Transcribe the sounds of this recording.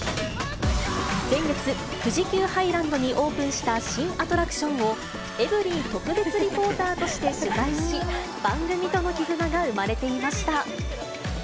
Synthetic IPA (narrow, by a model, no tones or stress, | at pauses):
z̥ẽ̞ŋɡe̞t͡sɨ | ɸɯ̟ʑikʲɨːhaiɾãnd̪o̞ɲ̟iʔo̞ːpɯ̟̃ɰ̃ɕi̥t̪aɕĩɰ̃at̪o̞ɾakɯ̟̥ɕõ̞ɰ̃o̞ | e̞bɯ̟ɾʲit̪o̞kɯ̟be̞t͡sɨɾʲipo̞ːt̪aːt̪o̞ɕi̥t̪e̞sɯɡaiɕi | b̥ãŋɡɯ̟mʲit̪o̞no̞kʲizɨnaɡaɯ̟maɾe̞t̪e̞imaɕi̥t̪a